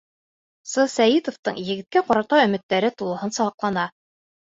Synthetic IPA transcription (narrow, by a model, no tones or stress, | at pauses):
sɤsæjit̪ŏft̪ɤ̰ɴjɘ̆ɡɘ̆t̪̚kæqɒɾɑt̪ɑɵ̆mɘ̆t̪ːæɾɘt̪ulˠɤ̆hɤnsɑʁɑqlˠɑnɑ